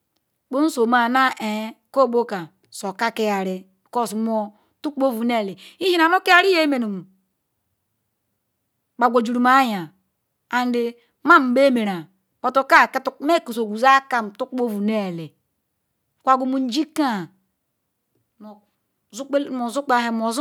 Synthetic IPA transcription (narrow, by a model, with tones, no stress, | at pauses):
k͡po˦n̩˦so˨ma˨na˦ʔe˨˦ko˦˨bo˦ka˨ | so˨ka˦ke˦ja˨ɾi˦˨ | ko˦˨sm˦o˦ | tu˦ko˦vu˨ne˦˨le˨i˦d͡ʒi˦na˨no˦ki˦a˦ɾi˦je˦me˨nu˨mu˨ | k͡pa˨ɡʷo˨d͡ʒu˨ɾu˨ma˦ja˨ | a˨n˦de˦ | ma˦m̩˨be˦me˨ɾa˨ | bo˨to˦˨ka˦˨ktme˦˨ku˨so˨ɡʷu˨za˦ka˦m̩˨tu˦ko˦vu˨ne˦˨le˨ | kʷa˨ɡu˦˨mu˨n̩˦d͡ʒi˦ka˦˨˦ | k͡pmo˨zu˦k͡pa˨he˨mo˨˦